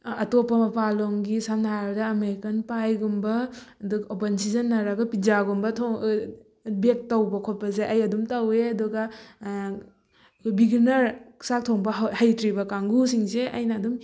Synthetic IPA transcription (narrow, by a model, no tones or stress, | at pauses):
ɐtopːɐmɐpaloŋɡisandadɐːmeɾkɐnpajɡumbɐ | duɡɐopensizɐnːɐɾaɡɐpizaɡumbɐtʰo | bek̚tɐwbɐkʰot̚pɐzeʔɐjɐdumtɐweɐduɡɐ | biɡinɐɾsak̚tʰoŋbɐɦhajtɾibɐkaŋɡusiŋzeʔɐ̰jnɐːdum